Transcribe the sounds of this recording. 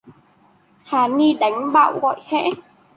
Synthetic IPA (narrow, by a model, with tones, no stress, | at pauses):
xaː˨˦ni˧ɗa˨˦jŋ̟ɓa̰ː˧˨wɣɔ̰˧˨jxɛ̰˧˥